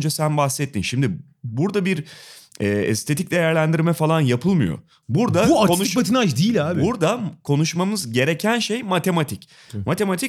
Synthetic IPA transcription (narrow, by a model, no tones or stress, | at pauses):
nd͡ʒasænbaxsːɛt̪ʰːinʃimd̪ɪ | buɾd̪abiɾɛːɛ̰st̪ʰe̞t̪ʰic̚d̪e̞jæɾlʲænd̪iɾmɛfalˠanjapʰɯlˠmɯjo̰ | buɾd̪auakonubat̪ʰinat͡ʃd̪iːlʲaːbbbuɾd̪akʰo̞nuʃmamɯzɟe̞ɾe̞cʰænʃe̞jmat̪ʰe̞mat̪ʰic | mat̪ʰe̞mat̪ʰi